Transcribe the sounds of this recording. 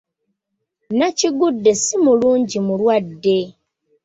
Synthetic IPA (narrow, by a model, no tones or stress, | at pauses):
naciɡudːe̞simuluːɲɟimulwadːe̞